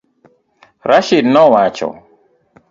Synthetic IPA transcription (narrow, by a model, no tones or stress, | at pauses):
ɾaʃidnɔwat͡ʃɔ̰